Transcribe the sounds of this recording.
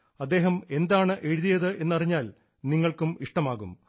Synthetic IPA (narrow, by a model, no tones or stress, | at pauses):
ɐd̪ːe̞ːɦɐme̞nd̪aːɳɨʔe̞ɻuðijɐðɨʔe̞nːɐriɲːaːl | niŋːɐɭkumiʂʈɐmaːɣum